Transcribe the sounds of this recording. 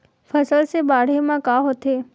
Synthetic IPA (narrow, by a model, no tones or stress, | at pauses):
fʰɐsəlsebaːɽ̤emãkaːɦot̪ʰeː